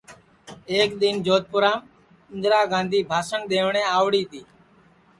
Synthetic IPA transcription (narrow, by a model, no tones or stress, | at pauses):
eːkd̪ind͡ʒoːt̪̚pʊɾaːm | ɪnd̪ɾaːɡãːnd̪ʱiːbʱaːsəɳd̪eːʋɳẽːaːʋɽiːt̪iː